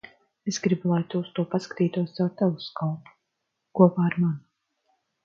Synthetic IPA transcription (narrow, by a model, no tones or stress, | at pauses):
esɡɾibulˠajt̪uːst̪uɔpaskḁt̪iːt̪uɔsawt̪ɛvuskɔlˠp̪u̥ | kuɔpaːaɾman